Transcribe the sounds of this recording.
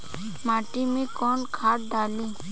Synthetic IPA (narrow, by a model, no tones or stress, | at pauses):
maːʈiːmẽːkoːnkʰaːʈ̚d̪ʱaːlĩː